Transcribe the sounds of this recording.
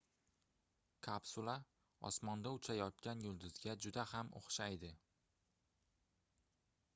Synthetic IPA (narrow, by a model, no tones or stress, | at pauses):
kʰapsʊlˠa | ɒ̰smɒnd̪aʊt͡ʃʰajɒt̪̚kʲanjʊlˠd̪ʊz̥ɡʲad͡ʒʊd̪ahamo̰χʃajd̪ɪ